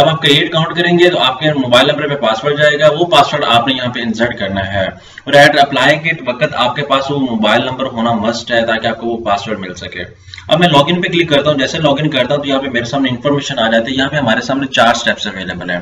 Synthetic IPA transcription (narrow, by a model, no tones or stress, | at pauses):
ɐbaːp̚kɾieːʈɐkãːʊ̃ɳʈkɐɾẽːŋɡet̪oaːp̚kemoːbaːɪlnɐ̃mbəɾpepaːsʋəɾʈd͡ʒaːeːɡaːʋopaːsʋəɾɖa̰ːpnejɐɦãpeɪ̃nzəʈ̚kɐɾnaɦɛː | ɔːɾɛːɖɐplaːẽkeʈʋɐkət̪a̰ːp̚kepaːsʋomoːbaːɪlnɐ̃mbəɾɦoːnamɐsʈɦɛt̪aːkeaːp̚koʋopaːsʋəɾɖmɪlsɐkeː | ɐ̰bmɛ̃ːlɔːɡɪ̃ŋɡpeklɪkːɐɾt̪aːɦũd͡ʒɛːselɔːɡɪ̃ŋɡkɐɾt̪aːɦũt̪ojɐɦãpemeːɾesaːmneɪ̃nfɔːɾmeːʃənaːd͡ʒaːt̪iɦɛjɐɦãpeɦɐmaːɾesaːmnet͡ʃaːɾsʈɛːpsɐʋeːleːbəlɦɛ̃ː